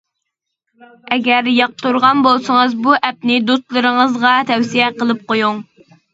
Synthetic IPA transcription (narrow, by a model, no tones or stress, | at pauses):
ɛɡʲæɾjɑq̚t̪uɾʁɑnbolˠsəŋəzbuʔɛp̚nɪd̪ust̪lˠɨɾəŋəzʁɑt̪ʰɛwsijɛqəlˠɨp̚qojuŋ